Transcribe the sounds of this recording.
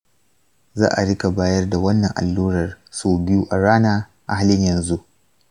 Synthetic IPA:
za̰ː˦ʔa˨ɽɪ˦ka˨baː˦jɐ˦rda˨wɐ˦nːɐ˨ŋʔa̰˨lːuː˦ɾɐ˨rsoː˦bɪ˦ju˦ʔa˨ɽaː˦naː˦ | ʔa˨ha˦˨lɪ˦ɲjɐ˨nzu˦ʔ

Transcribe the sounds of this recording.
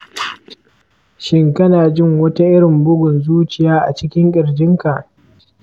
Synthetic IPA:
ʃɪ˦ŋkɐ˦naː˨d͡ʒɪ˦ŋwɐ˦ta˦ʔɪ˦ɽɪ˨mbʊ˦ɡʷʊ˨nzuː˦t͡ʃɪ˨jaː˦ʔa˨t͡ʃɪ˦kʲɪ˦ŋkʲʼɪ˨ɽd͡ʒɪ˦ŋka˨ʔ

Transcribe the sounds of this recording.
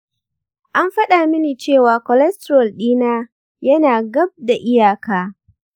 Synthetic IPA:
ʔa˦mɸɐ˦ɗaː˨mɪ˦niː˨t͡ʃeː˦˨waː˨kɔ˨lɛ˦stɾɔ˨lɗiː˦naː˦ | jɐ˦naː˨ɡɐ˦b̚da˨ʔɪ˦jaː˨kaː˦

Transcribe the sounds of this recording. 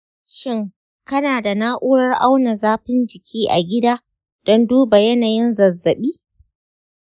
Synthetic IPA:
ʃɪ˦ŋ | kɐ˦naː˨da˨naː˦ʔuː˦ɽɐ˦rʔa˦wna˨zaː˦ɸɪ˦nd͡ʒɪ˨kʲʰiː˦ʔa˨ɡʲɪ˦daː˦ | d̥ɔ˦nduː˦ba˨jɐ˦naː˨jɪ˦nzɐ˨zːɐ˨ɓiː˦

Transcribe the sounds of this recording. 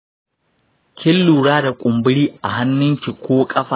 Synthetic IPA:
kʲɪ˦lːuː˨ɽaː˦da˨kʷʼʊ˨mbɪ˦ɽiː˦ʔa˨ɦa˦nːɪ˦ŋkʲi˨kʷoː˦kʼɐ˦ɸaː˨

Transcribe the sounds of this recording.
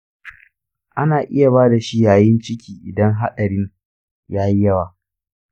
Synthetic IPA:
ʔa˦naː˨ʔɪ˦ja˨baː˦da˨ʃi˦jaː˨jɪ˦nt͡ʃɪ˦kʲiː˨ʔɪ˨dɐ˦ŋɦa˦ɗɐ˨ɽɪ˦ŋ | jaː˦ji˦jɐ˦waː˨

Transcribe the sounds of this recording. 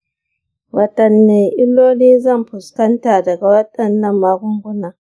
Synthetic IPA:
wɐ˨tɐ˨nːe˨ʔɪ˦loː˦niː˦zɐ˦˨mpʊ˨skɐ˦ntaː˨dɐ˨ɡa˨wɐ˦tɐ˨nːɐ˦˨mːa˦ɡʊ˦ŋɡʷʊ˦naː˦

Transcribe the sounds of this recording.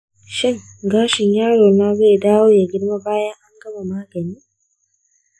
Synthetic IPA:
ʃɪ˦ŋ | ɡaː˦ʃɪ˨ɲjaː˦ɽoː˨na˦ɡe˦jdaː˦woː˦ja˨ɡʲɪ˦ɽma˦baː˦jɐ˦ŋʔa˦ŋɡɐ˦ma˨maː˦ɡɐ˨niː˦

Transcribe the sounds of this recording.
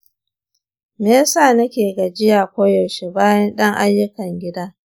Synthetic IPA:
meː˦saː˦˨nɐ˦kʲeː˨ɡa˨d͡ʒɪ˦jaː˨kʷoː˦jɔ˨ʃe˦baː˦jɐ˦nɗɐ˦ŋʔa˦jːʊ˦kɐ˨ŋɡʲɪ˦daː˦

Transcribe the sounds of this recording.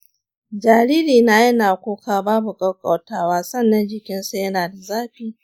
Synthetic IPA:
d͡ʒaː˨ɾiː˦liː˨naː˨jɐ˦naː˨kʷoː˦kaː˦baː˦bu˨kʼɐ˦wkʼɐ˨wtaː˦˨waː˦sɐ˦˨nːɐ˦nd͡ʒɪ˨kʲɪ˦nsa˦jɐ˦naː˨da˨zaː˦ɸiː˨

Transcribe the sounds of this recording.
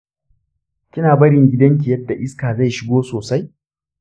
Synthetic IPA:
kʲɪ˦naː˨bɐ˦ɽɪ˨ŋɡʲɪ˦dɐ˦ŋk̬ʲɪ˨jɐ˦dːa˨ʔɪ˦skaː˨za˦˨jʃɪ˦ɡoː˦soː˨sa˦j

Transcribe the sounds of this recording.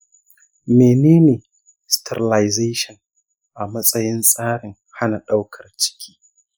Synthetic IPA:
meː˨neː˦neː˨ | stʰɛ˨ɾɪ˨la˨jze˦ʃɔ˨ŋ | ʔa˨mɐ˦sʼɐ˦jɪ˦nsʼaː˦ɽɪ˨ŋ | ha˦na˨ɗa˦wkʰɐ˨rt͡ʃɪ̥˦kʲʰi̥ː˦

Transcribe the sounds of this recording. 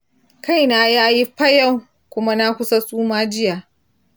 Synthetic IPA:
ka˦˨jnaː˦jaː˦ji˦ɸɐ˦ja˦˨w | kʷʊ˦ma˦na˦kʷʊ˦sa˦sʼuː˦maː˦d͡ʒɪ˦jaː˨

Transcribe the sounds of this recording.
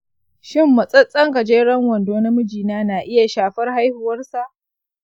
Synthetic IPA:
ʃɪ˦mːɐ˨sʼɐ˦t͡sʼːɐ˦ŋka˨d͡ʒeː˦ɽɐ˦ŋwɐ˨ndoː˦na˦mʊ˦d͡ʒiː˨naː˦na˨ʔɪ˦ja˨ʃaː˨ɸɐ˦rha˦jhʊ˨wɐ˦rsa˨ʔ

